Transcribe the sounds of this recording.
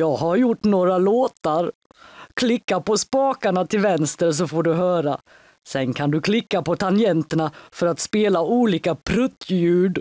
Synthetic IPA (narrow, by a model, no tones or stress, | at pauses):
jɑːɡɦaɾjʊʈːnoːɾaloːt̪aɾ | kʰlɪkːapɔspɑːkaɳat̪ʰɪlvɛnst̪əɾs̬ɔfoɖɵɦœːɾa | sɛnkʰand̪ɵkʰlɪkːapɔt̪ʰanjɛnt̪əɳafœɾat̪speːlauːliːkapʰɾɵt̪ːjʉ̟ːɖ